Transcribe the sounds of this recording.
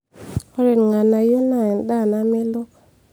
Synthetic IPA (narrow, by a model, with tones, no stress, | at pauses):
ɔ˦ɾe˨nŋa˨na˨jo˦na˨nda˦˨na˨mɪ˦lɔ˦k